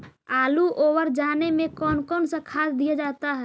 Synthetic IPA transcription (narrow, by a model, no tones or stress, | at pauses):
aːluʔoːwəɾd͡ʒaːnemẽkɔːnkɔːnsakʰaːd̪d̪ijad͡ʒaːt̪aɦɛː